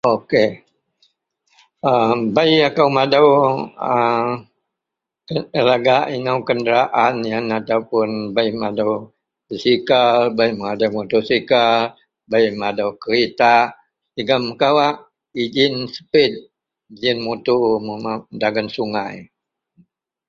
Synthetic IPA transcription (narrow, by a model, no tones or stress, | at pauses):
oke | əbajakawmadawə | əlaɡaʔinawkəndəɾaʔanjanat̪aupʊnbajmadaw | bəsikalbajməŋadawmut̪usikal | bajmadawkəɾit̪a | diɡaməkawaʔ | id͡ʒɪnsə̥pɪt̪̚ | id͡ʒɪnmut̪uməmadaɡansuŋaj